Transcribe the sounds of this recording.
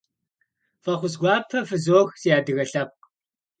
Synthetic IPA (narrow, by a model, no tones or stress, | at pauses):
fɐχʷʊzɡʷɑːpʰɐfɨzoːxz̥ijaːdɨɣɐɬɐp̚